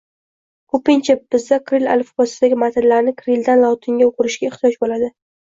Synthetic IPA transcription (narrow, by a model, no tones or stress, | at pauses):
kʰɵpɪnt͡ʃʰab̥ɪzd̪akʰɾilalfbasɪd̪aɡʲɪmat̪ʰɪlːaɾnɪkʰɾild̪anlˠɒwt̪ʰɪŋɡʲaoqʊɾɪʃɡʲaɪχt̪ijɒd͡ʒbolad̪ɪ